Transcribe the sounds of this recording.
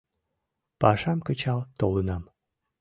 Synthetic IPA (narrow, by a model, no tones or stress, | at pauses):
pɑʃɑmkət͡ɕɑlt̪olənɑm